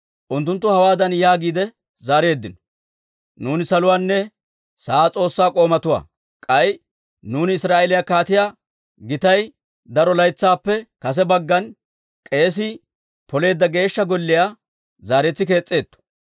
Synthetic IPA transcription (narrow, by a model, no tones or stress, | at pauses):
ʔʊnt̪ːʊnt̪̬ːʊhɐwaːd̪ɐnjaːɡiːd̪ɛ | zaːɾe̞ːd̪ːɪnɔ̥ | nuːnɪsɐlʊwaːnːɛ | saːt͡sʼo̞ːsːaːkʼo̞ːmɐt̪ʊwa̰ː | kʼɐj | nuːnɪɪsɾaːʔelɪjaːkaːt̪ɪjaː | ɡɪt̪ɐj | d̪ɐɾɔlɐjt͡sːaːpːɛkɐs̬ɛbɐɡːɐn | kʼe̞ːs̬ɪ | pɔle̞ːd̪ːɐɡe̞ːʃːɐɡɔlːɪjaː | zaːɾɛt͡sːɪk̬e̞ːt͡sʼːe̞ːt̪ːɔ̥